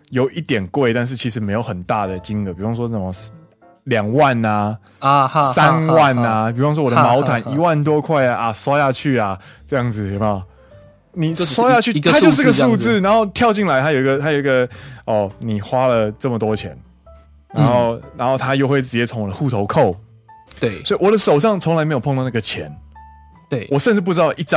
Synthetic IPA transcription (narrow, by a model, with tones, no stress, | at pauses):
jo˨˩ʊʔi˥˩t̪jɛ˨˩nkwe˥˧ɪt̪a˥˧nʂ̬ɻ̩˥˩t͡ɕʰi˧˥ʂɻ̩˧˥me˧˥ɪjo˧ʊxə˨˩nt̪a˥˩d̪ə˩t͡ɕi˦ŋə˧˩pi˨˩wɑ˥˧ŋʂ̬wɔ˥ə˥˩mə˦ | ljɑ˨˩ŋwa˥˨na˩ | sa˦nwa˥˨˩na˩pi˨˩u˥ɑ˥˧ŋʂ̬swɔ˥wd̪mɑ˨˧˦ʊt̪ʰa˨˦ni˧˦wa˥˨nt̪̬wɔ˥kʰwa˥˩ɪa˩ʔa˨˩swa˥ja˥˧t͡ɕʰy˥˩a˩ʈ͡ʂɤ˥˧jɑ˥˩ŋd͡zɹ̩˨˩jo˧˥˧ | ni˨˩swa˥jja˥˧t͡ɕʰy˥˨a˥t͡ɕo˥ʊʂ̩˥˧˥ɡə˧ʂu˥˧ɹ̩˥˩˨na˧˥nxo˥˧ʊt̪ʰjɑ˥˧ʊt͡ɕi˥˩ŋla˧˦ɪt̪ʰa˥jo˨˩i˧ɡə˨˧t̪ʰa˥jo˨˩ʊi˦ɡə˨ɔ˥˨˩ni˨˩xwa˦lə˨t͡sə˥˩mə˩t̪̬wɔ˥˦t͡ɕʰjɛ̰˧˦n | na˧˦nxo˥˨ʊna˧˥nxo˥˩ʊt̪ʰa˦jo˥˧ʊxwe˥˩ɪʈ͡ʂɻ̩˨˩t͡ɕjɛ˥˩t͡sʰo˧˥ŋwɔ˨˩d̪ə˦xu˥˩t̪ʰo˧˥ʊkʰo˥˨ʊ˥˩ | swɔ˧˥i˨wɔ˨˩d̪ə˦ʂo˨˩ʊʂɑ˥˩ŋt͡sʰo˧˦ŋla˧˦me˧˥jpʰlna˥˩ɡə˩t͡ɕʰjɛ̰˧˦n˩ | wɔ˨˩ʂə˥˧nʈ͡ʂɻ̩˥˧p̬u˥ʈ͡ʂɻ̩˥t̪ɑ˥˨˩ʔi˥˩t͡s